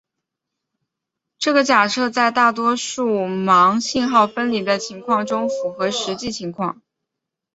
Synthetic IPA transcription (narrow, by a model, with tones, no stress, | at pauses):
ʈ͡ʂɤ˥˩ɡə˩t͡ɕja˨˩ʂɤ˥˧t͡sa˥˧ɪt̪a˥˩t̪wɔ˥ʂu˥˩mɑ˧˥ŋɕi˥˧nxɑ˥˩ʊfə˥nli˨˩d̪ə˧t͡ɕʰi˧˥ŋkʰwɑ˥˩ŋʈ͡ʂʊ˥ŋfu˧˥xɤ˧˥ʂɻ̩˧˥t͡ɕi˥˩t͡ɕʰi˧˥ŋkʰwɑ̰˥˩ŋ